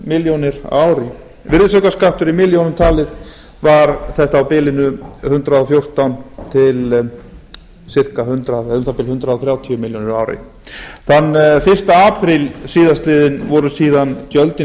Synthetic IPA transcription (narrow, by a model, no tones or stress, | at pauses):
mɪljownɪɾa̰wɾɪ | vɪɾðɪsœkaskaht̪ʏɾimɪljownʏmt̪ʰaːlɪð | vaɾθɛht̪aːwpɪːlɪnʏhʏnt̪ɾaðɔfjowr̥t̪awnt̪ʰɪl | sɪr̥kahʏnt̪ɾaðɛðʏmθapɪlhʏnt̪ɾaðɔθɾjaːwt̪ʰiʏmɪljownɪɾaːwɾɪ̰ | θanːfɪr̥st̪aaːpʰɾɪlsiːðast̪lɪːðɪnvɔɾʏsiːðanc̪jœlt̪ɪ